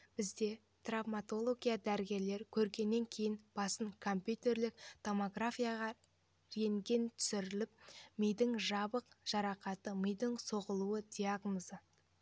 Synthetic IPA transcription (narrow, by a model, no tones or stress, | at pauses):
b̥ɪzd̪e̞ | t̪ravmat̪o̞lˠo̞ɡʲijad̪æɾɪɡʲe̞ɾle̞ɾkʲʰɵɾɡʲe̞nːe̞ŋkʲʰe̞jɪnb̥ɑsəɴkʰo̞mpʲjut̪e̞ɾlɪk̚t̪ʰo̞mo̞ɡrafʲijaʁɑ | ɾe̞ŋɡʲe̞nt̪ʰʏ̥sɪɾɪlɪp̚məjd̪ɪŋʒɑbəqʒ̥ɑɾɑqɑt̪əməjd̪ɪŋso̞ʁəlˠuəd̪̥ʲijaɡnozə